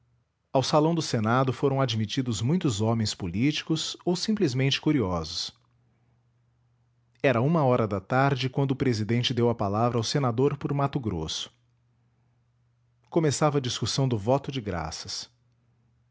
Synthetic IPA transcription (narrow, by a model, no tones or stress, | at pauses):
awsalɐ̃w̃d̪ʊsenad̪ʊfoɾɐ̃w̃ad͡ʒmit͡ʃid̪ʊzmũj̃t̪ʊzɔmẽj̃spolit͡ʃi̥kʊzowsĩmplizmẽnt͡ʃɪ̥kuɾiɔzʊs | ɛɾɐũmɐɔɾɐd̪ɐt̪aɾd͡ʒɪkwɐ̃nd̪ʊːpɾezid̪ẽnt͡ʃɪd̪ewɐpalavɾɐawsenad̪oɾpoɾmat̪ʊɡɾo̰sʊ̥ | komesavɐd͡ʒiskusɐ̃w̃d̪ʊvɔt̪ʊd͡ʒɪɡɾa̰sɐs